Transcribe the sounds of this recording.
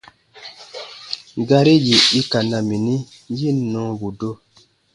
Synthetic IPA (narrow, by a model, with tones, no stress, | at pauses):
ɡa˦ɾi˦ji˨i˦ka˨na˨mi˨ni˦ | ji˦˨nːɔ̃˦bu˨do˦